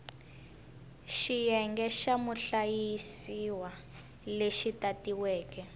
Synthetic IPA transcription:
ʃijɛŋɡɛʃamuɬajisiwa | leʃitatiwɛːkɛ

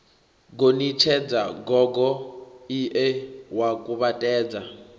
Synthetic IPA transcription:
ɡonit͡ʃʰɛd͡zaɡɔɡɔiʔɛwakʼuβatʼɛːd͡za

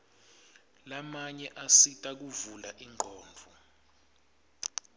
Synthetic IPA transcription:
lamaɲɛʔasitʼak̬uvulaʔiŋ͡ǃʱɔːɱvʱu

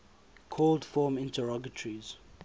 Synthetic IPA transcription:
kʰɔldfɔːmɪ̃ntʰəɹɔɡətʰəɹiz̥

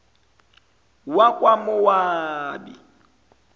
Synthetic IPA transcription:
wakʼwamʊwaːbḭ

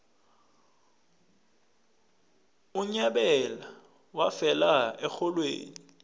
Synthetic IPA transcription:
ʊɲaɓɛla | wafɛlaɛk͡xʰɔlwḛːɲi

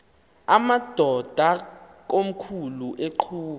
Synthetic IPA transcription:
amad̥ʱɔd̥ʱak̬ʼom̩kʰuluʔeǃʰuː

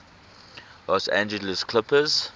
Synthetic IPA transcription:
lɔsæ̰̃nd͡ʒələskʰlɪpəz̥

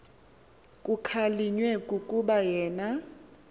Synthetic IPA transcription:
kʼukʰaliɲwɛkʼukʼuɓajɛːna

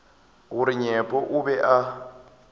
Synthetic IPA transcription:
ɣuɾiɲɛpʼɔʔubɛʔa

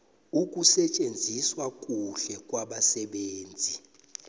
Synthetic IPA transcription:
uk̬ʼusɛt͡ʃʼend͡zʱiswakʼuɬɛkʼwaɓasɛɓeːnd͡zʱi

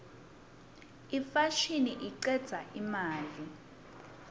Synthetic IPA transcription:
ifaʃiniʔiǀɛd̥z̥ʱaʔimaːli

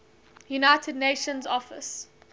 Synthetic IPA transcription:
junaɪtʰədneɪʃə̃nzɔfɪ̰s

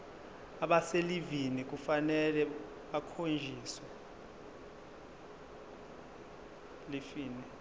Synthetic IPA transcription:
aɓaselivinik̬ʼufanɛlɛ | ɓakʰond͡ʒʱiːswɛ | lifiːnɛ

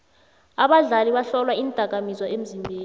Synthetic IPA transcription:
aɓaɮaliɓaɬɔlwaintʼak̬amizwaʔem̩zimbʱeːn

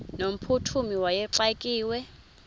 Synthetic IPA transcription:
nom̩pʰutʰumiwajɛǁakʼiːwɛ

